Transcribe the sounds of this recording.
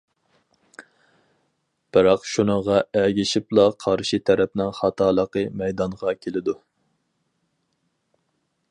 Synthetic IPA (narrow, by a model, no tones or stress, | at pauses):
b̥ɪɾɑqʃunəʁɑɛɡʲiʃiplˠɑqʰɑɾʃit̪ʰɛɾɛp̚nɪŋχɑt̪ʰɑːlˠəqəmɛjd̪ɑɴʁɑkʲʰelɪd̪u